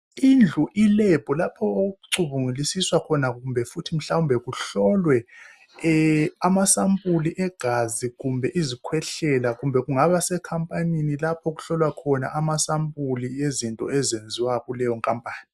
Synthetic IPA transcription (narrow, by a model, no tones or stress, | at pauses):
ind͡ɮʱuʔilɛb̥ʱɔlapʰɔoɣuǀuβuŋulisiswakʰɔnaumbʱɛfutʰim̩ɬawumbʱɛɣuɬɔlwɛ | amasampʼuliʔɛɡ̥ʱaziɣumbʱɛʔizikʰwɛɬɛlaɣumbʱɛɣuŋaβasɛkʰampʼaninilapʰɔɣuɬɔlwakʰɔna̰ʔamasampʼuliezintʼɔ̰ɛzend͡zʱiwaɣulɛjɔŋkʼampʼaːni